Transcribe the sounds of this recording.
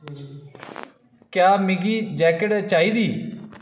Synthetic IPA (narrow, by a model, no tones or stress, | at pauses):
kjaːmɪɡiːd͡ʒɛːkəʈt͡ʃaːiːd̪iː